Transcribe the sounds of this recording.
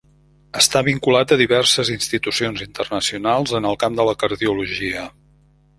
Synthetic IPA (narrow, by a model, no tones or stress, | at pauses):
əst̪aβiŋkulat̪əðiβ̞ɛrsəzinst̪it̪usionzint̪ərnəsiunalˠzənəlˠkamd̪ələkəɾðiuluʒiə